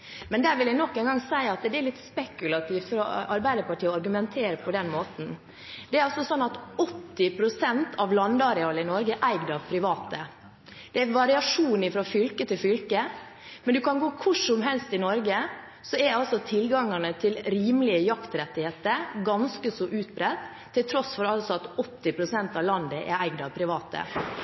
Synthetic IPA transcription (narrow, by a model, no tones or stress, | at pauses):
mɛnd̪æːɾʋɪljæɪnɔkːɛɪnɡɑŋsæɪɑt̪d̪ɛɛɾlɪt̪spɛkʉlɑt̪ʰiːʋt̪fɾɑːɑɾbæɪd̪əɾpɑʈʰiːɔɑɾɡʉmɛnt̪ʰeːɾəpʰɔd̪ɛnmoːt̪n̩ | d̪ɛæɾɑlsɔsɔnːɑt̪ɔt̪ːɪpʰɾʊsɛnt̪ʰɑʋlɑnd̪ɑɾɛɑːləɪnɔɾɡəʔæɪɡd̪əɑʋpʰɾɪʋɑːt̪ə | d̪̥ɛæʋɑɾɪɑʂuːnɪfɾoːfʏlkət̪ʰɪlfʏlkə | mɛnd̪ʉkɑnɡoːkʰʊʂɔmɦɛlst̪ɪnɔɾɡə | sɔɛɑlsɔt̪ʰɪlɡɑŋːəɳət̪ʰɪlɾiːmlɪəjɑkt̪ɾɛt̪ːɪheːt̪əɾɡɑnskəsɔʔʉːt̪̚bɾɛt̪ʰː | ɪlt̪ʰɾɔsfɔɾɑlsɔɑt̪ɔt̪ːɪpʰɾʊsɛnt̪ɑʋlɑnd̪əʔɛ̰ɾæɪɡd̪ɑʋpʰɾɪʋɑːt̪ə̰